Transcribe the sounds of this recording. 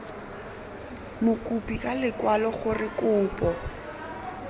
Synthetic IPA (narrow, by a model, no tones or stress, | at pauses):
mʊkʼupʼikʼalɪkwalɔχʊrɪkʼʊːpʼɔ